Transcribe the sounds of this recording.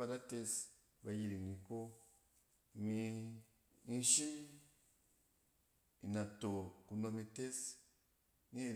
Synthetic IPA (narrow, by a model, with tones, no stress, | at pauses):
a˧ɾa˦te˦˧s | ba˨ji˨ɾi˨ni˨ko˦ | mi˧ | i˦ʃi˦n | i˨na˨to˨ku˨no˧mi˧te˦s | ni˦˨